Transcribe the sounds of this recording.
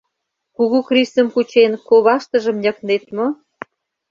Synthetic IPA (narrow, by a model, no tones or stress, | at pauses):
kuɣukrisə̆mkut͡ɕenkoβɑʃt̪ə̆ʒə̆mnʲə̆knet̪mo